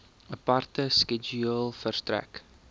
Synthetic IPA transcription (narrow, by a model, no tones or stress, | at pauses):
əpartəskɛd͡ʒuəlˠfəɾtɾɛ̰k